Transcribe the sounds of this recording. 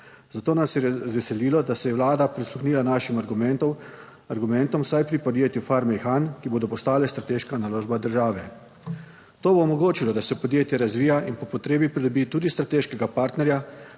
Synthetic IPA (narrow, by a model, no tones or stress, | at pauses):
zat̪oːnasjɛʋɛsɛliːlɔd̪asɛjɛwlaːd̪apɾisluxniːlanaːʃimaɾɡumɛnt̪ɔ | aɾɡumɛnt̪ɔmsajpɾipɔd̪jeːt̪jufaɾmɛxankiboːd̪ɔpɔst̪aːlɛst̪ɾat̪eːʃkanaloːʒbad̪əɾʒaːʋɛ | t̪oːboɔmɔɡoːt͡ʃilɔd̪asɛpɔd̪jeːt̪jɛɾazʋiːjaʔinpɔpɔt̪ɾeːbipɾid̪ɔbiːt̪uːd̪ist̪ɾat̪eːʃkɛɡapaɾt̪nɛɾja